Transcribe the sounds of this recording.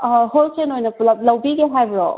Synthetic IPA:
ɦolkʰenojnɐɐlɐwbiɡeɦajbɾɔ̰

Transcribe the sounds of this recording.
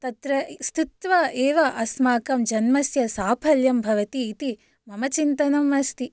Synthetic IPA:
t̪ɐt̪ɾɐst̪it̪ʋaʔeːʋɐʔɐsmaːkɐmd͡ʒɐnmɐsjɐsaːpʰɐljɐmbʱɐʋɐt̪iːt̪i | mɐmɐt͡ʃint̪ɐnɐmːɐst̪i

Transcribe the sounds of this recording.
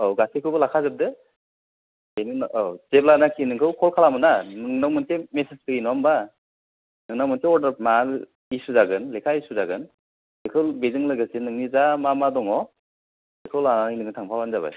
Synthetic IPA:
awɡasekʰɯbɯlakʰazɯp̚dɯ | enint͡ʃeblanakʰinɯŋkʰɯwkʰɔlkʰalamɯnanɯŋnawmɯnsʰemeseskɯinɔmba | nɯŋnawmɯnsʰeɔdaɾpmal | isuzaɡɯnlekʰaisuzaɡɯn | lekʰɯwbezɯŋlɯɡɯsenɯŋnizamamadɔŋɔ | ekʰɯwlananinɯŋitʰaŋpʰabanzaba̰j

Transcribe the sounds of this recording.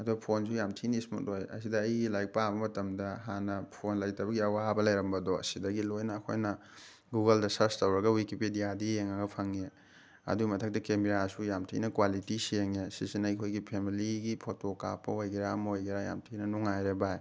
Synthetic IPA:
ɐduɡɐpʰons̬ujamtʰinismṵt̚lojɐ̰sidɐːjɡilajk̚pabɐmɐtɐmdɐɦanɐpʰonlɐjtɐbɐɡiɐwabɐlɐjɾɐmbɐdɔɐ̰sidɐɡilojnɐːkʰo̰jnɐ | ɡuɡɐldɐsɐɾstɐwɾɐɡɐwikipidijadijeŋɐɡɐpʰɐŋe | ɐ̰duɡimɐtʰɐk̚tɐkemiɾasujamtʰḭnɐkwalitisieŋesisinɐjkʰojɡipʰemiliɡipʰotokapːɐojɡeɾamɐojɡiɾaja̰mtʰinɐnuŋajɾebaj

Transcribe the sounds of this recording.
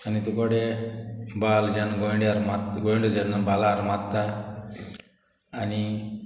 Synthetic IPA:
anit̪ukɔɽe | bald͡ʒɛnɡɔjɳɖaɾmat̪ɡɔjɳɖud͡ʒɛnbalaɾmat̪ːa | ni

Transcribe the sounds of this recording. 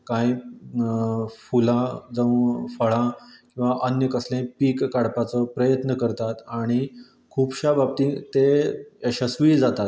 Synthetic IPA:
kãj | fulãd͡zəʋfəɭãkĩw̃ʋaʔənjəkəslẽpiːkːaɽpat͡səpɾəjət̪nəkəɾt̪at̪aɽ̃i | kʰuːbɕabab̚t̪ĩt̪eeɕəsʋiːd͡zat̪at̪

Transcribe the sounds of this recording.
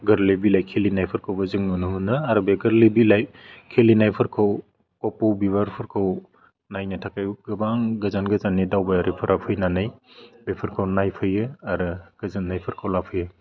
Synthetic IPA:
ɡɯɾlebilajkʰelinajpʰɯɾkʰawbɐzɯŋnunɯɦɯnɯaɾɯbeɡɯɾlibilajkʰelinajpʰɯɾkʰaw | kɔpuwbibaɾpʰɯɾkʰɯw | najnɯtʰakajɡɯbaŋɡɯzanɡɯzanːidawbajaɾɯpʰɯɾapʰɯjnanɯjbepʰɯɾkʰawnajpʰɯjɯaɾɯɡ̥ɯzanːajpʰɯɾkʰawlapʰɯjɯ

